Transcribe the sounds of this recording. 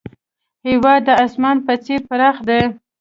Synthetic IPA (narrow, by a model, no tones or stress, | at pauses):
hɪwɑd̪ːəasmɑnpət͡seɾpəɾɑxd̪e